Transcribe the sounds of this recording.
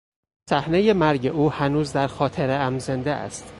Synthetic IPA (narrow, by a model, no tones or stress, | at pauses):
sæhne̞je̞mæɾɟeʔuːhænuːzd̪æɾxɒːt̪ʰe̞ɾeæmzend̪eʔæ̰st̪